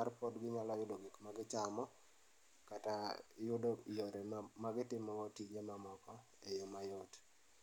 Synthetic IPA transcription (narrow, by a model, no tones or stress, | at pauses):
arpɔdɡɪɲalɔjʊdoɡɪkmaɡɪt͡ʃamɔ | katajʊdojoɾemaɡɪtɪmɔɔtid͡ʒemamɔkɔ | ejomajɔt